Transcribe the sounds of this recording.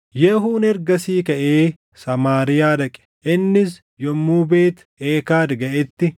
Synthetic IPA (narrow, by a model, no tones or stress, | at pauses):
jɛhuːnɛɾɡɐsiːkɐʔeː | sɐmaːɾɪjaːd̪ɐkʼɛ̥ʔɪnːɪs | jɔmːuːbe̞ːt̪ | eːkaːd̪ɡɐʔɛt̪ːɪ